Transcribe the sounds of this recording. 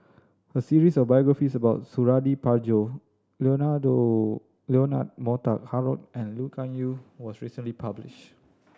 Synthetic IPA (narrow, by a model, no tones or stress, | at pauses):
həsiɹisɔfbajɔɡɹafisəbaʊt̚suɹadipad͡ʒo | lonado | leona̰t̚mɔta̰k̚haɹɔ̰t̚ɛ̃nlukʰãnjuwɔsɹisə̃nlipʰablɪ̰ʃt